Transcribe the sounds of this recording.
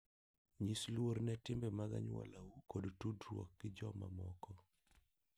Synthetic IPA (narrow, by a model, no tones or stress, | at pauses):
ɲislwoɾnɛtɪmbɛmaɡa̰ɲwɔ̰lawukodtudrwɔ̰k̚ɡ̥ɪd͡ʒɔma̰mɔkɔ